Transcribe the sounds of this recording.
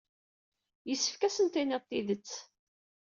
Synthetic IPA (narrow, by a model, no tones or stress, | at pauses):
jəsːə̥fkæsənt̪inɪðˤt̪ːiðət͡sː